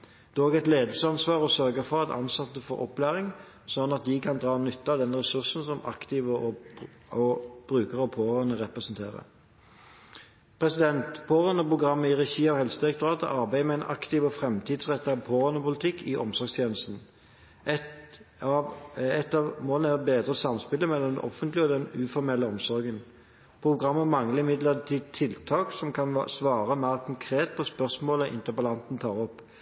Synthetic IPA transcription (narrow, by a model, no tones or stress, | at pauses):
d̪̥oːɡɛt̪leːd̪l̩səɑnsʋɑːʁɔsœʁɡəfɔʁɑt̪ʰɑ̰nsɑt̪ːəfɔ̰ʁɔ̰plæːʁɪŋ | sɔnːɑt̪̚d̪ɪkʰɑnd̪ʁɑːnʏt̪ːɑd̪ɛnʁɛsʉʁsn̩sɔmɑ̰kt̪ɪʋəɔ | ɔb̥ʁʉːkəʁəɔpʰoːʁœnəʁɛpʁɛsnt̪ʰḛːʁə̰ | pʰʁɛsɪd̪ɛnt̪pʰoːʁœnəpʁʊɡʁɑmːəɪʁɛçiːɔhɛlsəd̪ɪɛk̚t̪ʊʁɑːt̪ə̰ʔɑʁbæɪəmɛæɪnʔɑ̰kt̪ɪʋɔfʁɛmt̪ʰɪːd̪sʁɛt̪ːɑʋpʰoːʁœnəpʊlɪt̪ʰɪkːɪʔɔmsɔɾɡst̪ʰjeːnəst̪n̩ | ɛ | ɛt̪ːɑmoːlənəæʁbeːd̪ʁəsɑmspɪləmɛlːɔmd̪ɛɔ̰fənt̪lɪɔd̪ɛnʉːfɔʁmɛlːəɔmsɔʁɡən | pʰʁʊɡʁɑmːəmɑŋləɪmɪd̪ləʁt̪ʰiːt̪ʰːɪlt̪ʰɑːksɔmkʰɑnsʋɑːʁəmæːʁkʰɔŋkʰʁeːt̪̚pʰɔspœʁsmoːləʔɪ̰nt̪əbɑlɑnt̪n̩t̪ʰɑːʁɔpː